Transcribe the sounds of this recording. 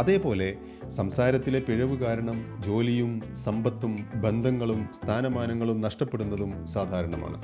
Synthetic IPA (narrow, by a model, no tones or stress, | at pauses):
ɐðe̞ːpo̞ːle̞ | sɐmsaːɾɐt̪ːile̞piɻɐʋukaːɾɐɳɐmd͡ʑo̞ːlijum | sɐmbɐt̪ːumbe̞nd̪ʱɐŋːɐɭumst̪ʰaːnɐmaːnɐŋːɐɭumnɐʂʈɐpːe̞ɽunːɐðumsaːd̪ʱaːɾɐɳɐma̰ːɳɨ̰